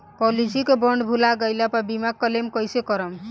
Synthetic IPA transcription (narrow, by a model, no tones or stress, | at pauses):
pɔlisikebɔɳɖbʱulaɡəjlapabimak̚kːəlemkɔjsekɔɾəm